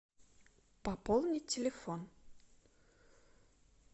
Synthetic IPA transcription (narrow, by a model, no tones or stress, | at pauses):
pɐpɔlˠnʲɪtʲɪlʲefon